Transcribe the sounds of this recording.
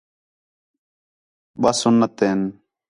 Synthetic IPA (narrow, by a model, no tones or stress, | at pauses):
ɓasʊnːət̪eːn